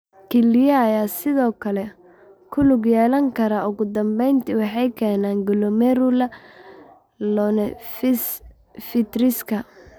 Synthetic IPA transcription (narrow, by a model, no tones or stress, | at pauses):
kʰɛlɪjɐːjaːsɪðɔːkʰɐlɛ | kʰʊlʊɡjɛːlɐŋkʰɐɾaʊɣʊd̪ɐmbɛjnt̪ʰiwɑħɑjkʰɛːnaːŋɡʊlɔmɛɾʊlɐ | lɔnɛfs | fɪt̪ɾɪskʰɐ